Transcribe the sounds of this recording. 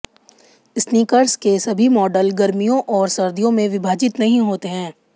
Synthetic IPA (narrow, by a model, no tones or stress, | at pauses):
ɪsniːkəɾskesɐbʱimɔːɖəlɡɐɾmijõʔɔːɾsɐɾd̪ʱijõmẽʋɪbʱaːd͡ʒɪt̪nɐɦĩɦoːt̪eɦɛ̃ː